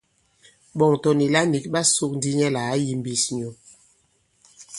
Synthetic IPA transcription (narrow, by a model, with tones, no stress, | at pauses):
ɓɔ˨ŋtɔ˨ni˨la˦ni˨k̚ɓa˦su˦k̚n˦di˦ɲɛ˦la˨a˦ji˦m˨bi˨sɲo˨